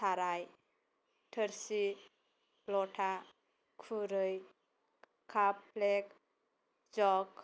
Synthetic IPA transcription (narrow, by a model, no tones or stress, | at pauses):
sʰaɾaj | ʈʰəɾsi | lɔʈʰa | kʰuɾəj | kʰaplek | d͡ʒɔk